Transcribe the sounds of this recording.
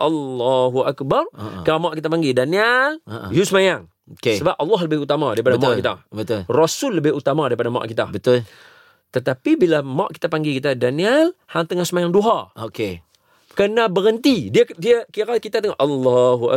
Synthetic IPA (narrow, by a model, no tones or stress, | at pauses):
ʔɑlːɔɦuakbarkalamaʔkit̪apaŋɡidaniəljusəmajaŋ | okesəbap̚ɑlːɑɦləbɪhut̪amadaɾipadaamaʔkit̪a̰bət̪ʊlrɔsʊlːəbɪhut̪amadaɾipadama̰ʔkit̪abət̪ʊl | t̪ət̪apibilamaʔki̥t̪apaŋɡikit̪adanialhaŋt̪əŋahsəmajaŋduɦaoke | kənabəɾənt̪idiədiakikakit̪at̪əŋɔʔɑlːɔɦuʔa̰